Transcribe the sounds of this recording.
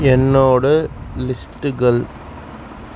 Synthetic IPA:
ɛnːoːɽɯlɪsʈɯɣɐɭ

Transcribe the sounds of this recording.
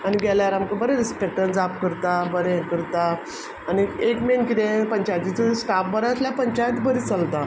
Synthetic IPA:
aniɡɛljaɾamkəbəɾẽɾispek̚ʈənd͡zap̚kəɾt̪abəɾẽkəɾt̪a | aniekmenkit̪ẽpəɲt͡ɕajt̪it͡səsʈapbəɾaəsljapəɲt͡ɕajt̪bəɾit͡səlt̪a

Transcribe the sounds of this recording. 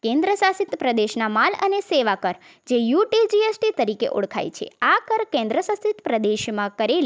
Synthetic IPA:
kẽnd̪ɾəsasit̪pɾəd̪eʃnamalə̰neseʋakəɾ | d͡ʒejuʈid͡ʒiesʈit̪əɾikḛʔo̰ɽkʰa̰jt͡ʃʰḛakəɾkẽnd̪ɾəsãst̪it̪pɾəd̪eʃmãkəɾel

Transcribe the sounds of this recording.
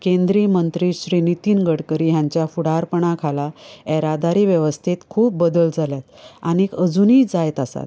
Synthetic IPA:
kẽnd̪ɾimənt̪ɾiːɕɾinit̪iːnɡəɽkəɾiːɦjãɲt͡ɕjafuɽaɾpəɳ̃akʰalaɛɾad̪aɾiːʋjəʋəst̪ʰit̪kʰuːp̚bəd̪əld͡zʱaljat̪anikəd͡zuniːd͡zajt̪asa̰t̪

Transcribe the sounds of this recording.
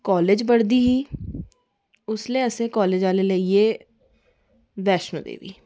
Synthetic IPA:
kɔːleːd͡ʒbəɽd̪iːɦiː | ʊsleːəsẽːkɔːleːd͡ʒaːleləieː | ʋɛːʃno̰ːd̪ḛːʋḭː

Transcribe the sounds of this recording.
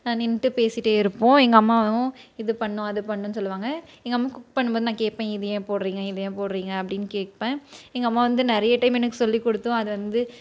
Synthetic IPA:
nãːnɪnʈːɯpeːsɪʈːeːɪɾɯpːõɛŋɡɐɐmːaːʊ̃ɪðɯpɐɳːʊ̃ɐðɯpɐɳːʊ̃nːɯsɔlːɯʋaːŋɡɐɛŋɡɐmːaːkʊkpɐɳːɯmpoːðɯnãːkeːʈ̚pẽːɪðɐjẽːpoːɽɾiːŋɡɐɪðɐjẽːpoːɽɾiːŋɡɐɐpːɐɽɪnːkeːʈ̚pẽːɛŋɡɐmːaːʋɐnd̪ɯnɛɾɐjɐʈɐɪmɛnːɯkːɯ̥sɔlːikɔɽɯt̪ːʊ̃ɐðɯʋɐnd̪ɯ

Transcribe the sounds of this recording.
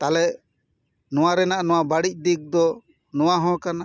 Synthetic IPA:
t̪alɛʔ | nɔ̃waɾɛnaʔnɔw̃abaɽic̚d̪ik̚d̪ɔ | nɔwaɦɔ̃kana

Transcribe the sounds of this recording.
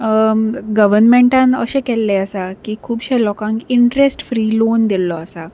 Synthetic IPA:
ɡəʋəɾnmeɳʈãnə̰ɕekɛlːeəsakiːkʰuːbɕelɔkãŋkiɳʈɾesʈfɾiːlond̪illɔəsa

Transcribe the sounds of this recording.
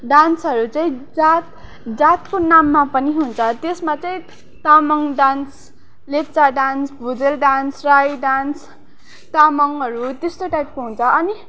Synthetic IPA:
ɖansɦʌɾut͡saĩd͡zat̪̚ | d͡zat̪konamːapʌniɦunt͡sʰʌt̪esmat͡sʌĩ | t̪amʌŋɖans | let̪t͡saɖansbʱud͡zelɖansrajɖans | t̪amʌŋɦʌɾut̪est̪oʈajp̚koɦunt͡sʰʌʌni

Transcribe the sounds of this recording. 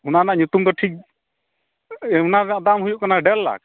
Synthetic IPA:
unanaʔɲut̪umd̪ɔʈʰik̚ | unanaʔd̪amɦujuʔkanaɖɛlːa̰k̚

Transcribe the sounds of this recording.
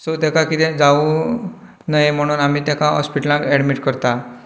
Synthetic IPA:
sot̪ɛkakit̪ɛ̃d͡zau | najem̤əɽ̃uːnam̤iːt̪ɛkãɦɔ̰spiʈəlãkɛɽmiʈkəɾt̪a

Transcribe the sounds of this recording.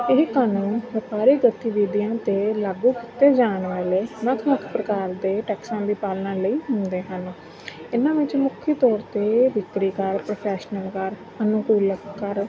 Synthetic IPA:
ɪɦkaːnuːnʋəpaːɾiːɡət̪iːʋiːd̪ijãːt̪eːlaːɡuːkɪt̪eːd͡ʒaːnʋaːleːnəkʰnəkʰpɾəkaːɾd̪eːʈɛːksãːd̪iːpaːlnãːləiːɦʊ̃nd̪eːɦən | ɪnãːʋɪt͡ʃmʊkʰit̪ɔːɾt̪eːʋɪkɽiːkəɾpɾoːpʰɛːʃnəlkəɾ | ənʊkuːləkəɾ

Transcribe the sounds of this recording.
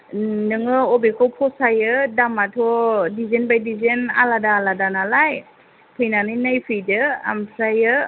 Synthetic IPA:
nɯŋɯɔbekʰɔpʰɔsajɯdamatʰɔdizenbajdizena̰ladaːladanalaj | pʰɯjnanɯnajpʰɯjdɯa̰msajɯ

